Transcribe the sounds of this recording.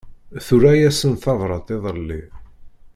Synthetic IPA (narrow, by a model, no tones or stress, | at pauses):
θʊɾæjæsənθɑðˤɾˤɑt̪ˤeðˤəlːi